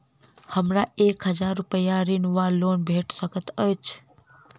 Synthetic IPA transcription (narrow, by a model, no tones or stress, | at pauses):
həmɾaeːkɦəd͡ʒaːɾːʊpəjaɾinʋaloːnbʱeːʈsəkət̪ət͡ʃʰ